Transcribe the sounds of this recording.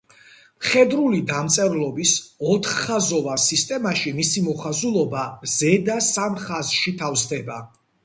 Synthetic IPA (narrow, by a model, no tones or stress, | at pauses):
mχɛd̪ɾulid̪amt̪sʼɛɾlˠɔbisɔt̪ʰχːazɔvasist̪ʼɛmaʃimisimɔχazulˠɔbazɛd̪asamχazʃit̪ʰafzsd̪ɛba